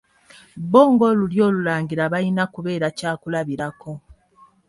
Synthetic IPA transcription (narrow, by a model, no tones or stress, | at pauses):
βo̞ːŋɡo̞luljo̞ːlulaːŋɡiɾaβainakuβe̞ːɾacaːkulaβiɾako̞